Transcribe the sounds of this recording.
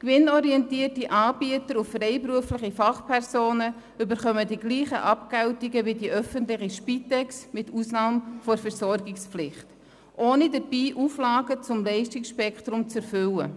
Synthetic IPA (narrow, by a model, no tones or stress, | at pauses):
kʋɪnɔɾiɛntiətiʔɑːbiətəɾuffɾɛɪpɾuəflɪχifɑχpʰɛɾsoːnə | ʏbəɾχœmədiɡliːχə̰ʔɑpkɛwtiɡəʋidiʔœfəntlɪχiʃpitɛksmɪtusnɑːmfɔɾfɛɾsɔɾɡɪkspflɪχt | ʔoːnidəɾb̥iːʔuflɑːɡət͡sʊmlɛɪʃtɪksʃpɛkχt̪ɾʊmt͡sɛɾfʏlə